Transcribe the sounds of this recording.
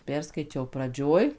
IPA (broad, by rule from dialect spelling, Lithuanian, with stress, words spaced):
ˈpʲɛrskɐɪt͡ʃʲɛʊ prɐˈd͡ʒʲoːj